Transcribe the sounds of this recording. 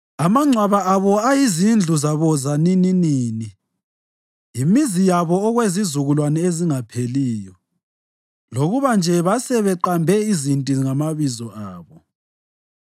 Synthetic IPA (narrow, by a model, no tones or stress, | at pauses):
amaŋ͡ǀʱwaβaaβɔajizind͡ɮʱuzaβɔzanininiːni | imizijaβɔːɣwezizuɣulwanɛeziŋapʰeliːjɔ | loɣuβand͡ʒʱɛβasɛβɛǃambʱɛizintʼiŋamaβizɔʔaːβɔ